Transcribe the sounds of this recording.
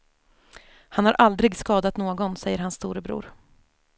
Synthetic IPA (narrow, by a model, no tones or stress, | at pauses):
hanhaɾʔald̪ɾɪɡskɑːd̪at̪noːɡɔnsɛjːəɾɦhansːt̪uːɾəbɾṵːɾ